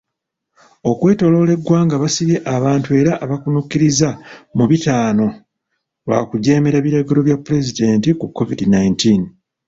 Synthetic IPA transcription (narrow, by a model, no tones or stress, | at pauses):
o̞kwe̞ːto̞lo̞ːle̞ɡːwaːŋɡaβasiβjeʔaβaːntue̞ːɾaʔːβakunukːiɾizamuβitaːno̞ | wa̰kuɟe̞ːme̞ɾaβiɾaɡe̞ɾo̞βjapːuɾe̞zide̞ːntikukːo̞vidinajntin